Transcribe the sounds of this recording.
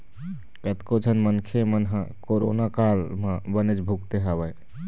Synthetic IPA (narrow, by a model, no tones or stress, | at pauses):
kət̪kod͡ʒʱənmənkʰemənɦəkoɾo̰nakalmebənet͡ʃbʱuk̚t̪eɦaβəj